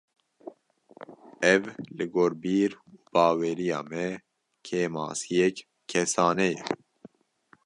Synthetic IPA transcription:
ɛvlɨɡoːɾbiːɾuːb̥ɑːwɛːɾijɑ̰ːmɛ | kʰeːmɑ̰ːsijɛk | kʰːɛsɑːnɛjɛ

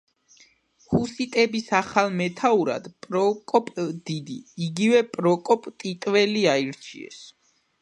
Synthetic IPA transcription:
husit̪ʼɛbisaχalˠmɛt̪ʰauɾa̰d̪pʼɾɔkʼɔpʼd̪̥id̪iːɡivɛpʼɾɔkʼɔpʼt̪ʼit̪ʼvɛliaiɾt͡ʃʰḭɛ̰s

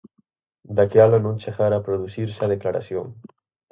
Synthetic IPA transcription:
d̪akjalonõnt͡ʃexaɾapɾoðusiɾsaðeklaɾa̰sjoŋ

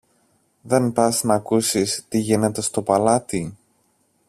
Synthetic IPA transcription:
ðe̞npɐznɐːkusist̪iʝine̞t̪e̞st̪o̞pɐlɐt̪i

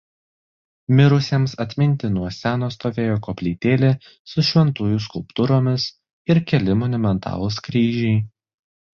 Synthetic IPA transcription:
mʲɪɾʊsʲemsɐt̪ʲmʲɪnʲt̪ʲɪnuɔsʲæːnoːst̪oːʋʲeːjoːkoːpʲlʲiːt̪ʲeːlʲe | sʊʃʲʋʲɛnt̪uːjʊskʊlˠpt̪ʊɾoːmʲɪs | ɪɾkʲɛlʲɪmɔnʊmʲɛnt̪ʰɑ̰ːlˠʊskɾʲiːʒʲɛɪ

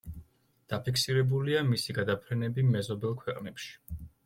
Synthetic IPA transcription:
d̪̥apʰiksiɾɛbuliamisiɡad̪apʰɾɛnɛbimɛzɔbɛlˠkʰwɛqʼnɛpʃi̥

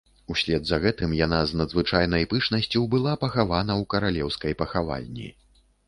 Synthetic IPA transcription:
usʲlʲɛd̪zɐɣɛt̪ɨmjanaznɐd̪zvɨt͡ʂajn̪ɐjpɨt͡ʂnɐsʲt͡sʲuwbɨlˠapɐxavan̪ɐwkɐɾalʲɛwskɐjpɐxava̰lʲnʲḭ

